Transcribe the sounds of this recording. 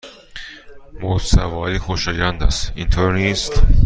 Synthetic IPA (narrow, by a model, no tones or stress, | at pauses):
mot̪sæ̰vɒːɾiːxoʃɒːjænd̪æ̰st̪int̪ʰoɾniːst̪